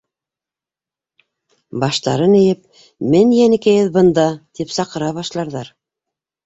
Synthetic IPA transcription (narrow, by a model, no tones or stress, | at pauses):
bɑʃt̪ɑ̰ɾɤnɘ̆jɘp̚ | mɘnjænɘ̆kæjɘðbɤ̆nd̪ɑt̪ipsɑqɤ̆ɾɑβɑʃlˠɑɾðɑɾ